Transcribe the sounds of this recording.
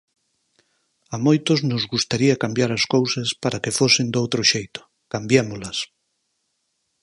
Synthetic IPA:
amojt̪oznʊzɣust̪aɾiɐkambjaɾɐskowsɐspaɾakefosɪnd̪owt̪ɾoʃejt̪ʊ̥ | kambjemolɐs

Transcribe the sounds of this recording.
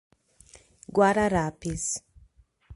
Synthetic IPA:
ɡwaɾaɾapis

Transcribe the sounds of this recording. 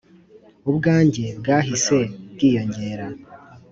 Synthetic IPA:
ubɡaːɲɟe̞bɡaːɦise̞bɡiːjo̞ɲɟe̞ːɾa

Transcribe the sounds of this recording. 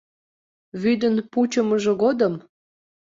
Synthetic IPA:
βyd̪ənput͡ɕəməʒɤ̆ɣod̪əm

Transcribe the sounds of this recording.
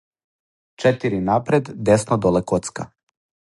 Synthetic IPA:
t͡ʃɛt̪iɾinapɾɛd̪ːɛsnɔd̪ɔlɛkɔt̪ska

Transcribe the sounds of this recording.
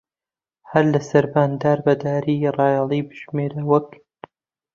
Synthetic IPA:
hɐɾlɐsɐɾbaːnd̪aːɾbɐd̪aːɾiːrɑːjɑlˠiːbɨʒmeːɾɐwɐk

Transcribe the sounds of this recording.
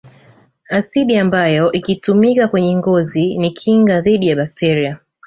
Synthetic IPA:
asiɗiambajɔʔikitumikakwɛɲɛŋɡɔzinikʰiŋɡaðiɗijaɓak̚tɛɾia

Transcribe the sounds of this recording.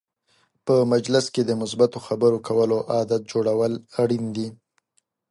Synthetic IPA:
pəmad͡ʒlɪsked̪əmʊsbat̪oxabəɾokʰawəloʔɑd̪at̪̚d͡ʒoɽawəlaɽind̪i

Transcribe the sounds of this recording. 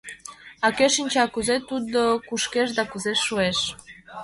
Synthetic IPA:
akeʃinʲt͡ɕeakuzet̪ut̪̚d̪əkuʃkeʃd̪akuzeʃːueʃ

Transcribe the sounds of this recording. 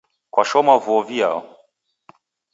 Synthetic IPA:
kwaʃɔmavuɔvia̰ɔ

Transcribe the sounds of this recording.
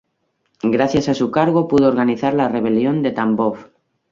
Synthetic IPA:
ɡɾaθjasasukaɾɣopuðooɾɣaniθaɾlare̞β̞e̞ljo̞nd̪e̞t̪ambof

